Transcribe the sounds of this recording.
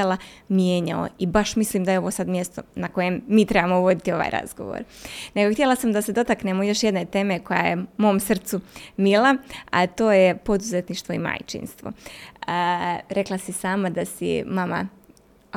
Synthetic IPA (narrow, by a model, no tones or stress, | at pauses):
alamjeːɲao̰ibaʃmisliːmd̪ajeo̞ʋo̞sad̪mje̞st̪o̞nako̞jemːiːt̪ɾe̞bamoʋo̞d̪it̪io̞ʋa̰ːjɾa̰z̥ɡo̞̰ʋo̰ɾne̞ɡoxt̪je̞lˠasamd̪ase̞d̪o̞t̪aknemojo̞ʃjed̪net̪e̞ːme̞ko̞ja̰je̞mo̞ːmsr̩t̪sumilaat̪o̞ːjepo̞d̪uzet̪niʃt̪ʋo̞ima̰jt͡ʃḭnst̪ʋo̞̰ | ɾe̞klasisaːmad̪asḭmama̰